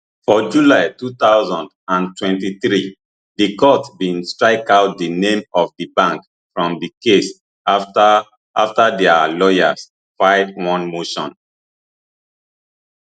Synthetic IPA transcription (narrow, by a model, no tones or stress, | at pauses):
fɔd͡ʒulaɪtutaʊzɔ̃nd | ãntʰwɛ̃ntiθɹi | dikɔtbĩnstɹaɪkaʊt̚dinẽmɔfdibãŋk | fɹɔ̃mdikes | ʔaftadɛalɔja̰s | faɪt̚wɔ̃nmoʃɔ̃n